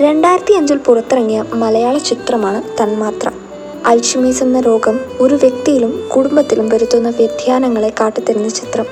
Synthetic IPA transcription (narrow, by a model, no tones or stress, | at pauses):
ɾe̞ɳɖaːjiɾɐt̪ːiɐɲd͡ʑulpurɐt̪ːirɐŋːijɐmɐlɐjaːɭɐt͡ɕit̪rɐmaːɳɨt̪ɐnmaːt̪rɐ̰ | ɐjɕimiːsɐnːɐɾo̞ːɡɐmo̞ɾuʋje̞k̚t̪ijilumkuɽumbɐt̪ːilumʋɐɾut̪ːunːɐʋjɐd̪ʱjaːnɐŋːɐɭe̞kaːʈːɨt̪ːɐɾunːɐt͡ɕit̪rɐm